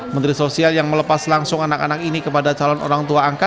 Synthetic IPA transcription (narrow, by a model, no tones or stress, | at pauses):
mənt̪ɾisosialjaŋmələpaslaŋsʊŋanakanak̚inikəpadat͡ʃalɔnʔo̰ɾaŋt̪uaːŋka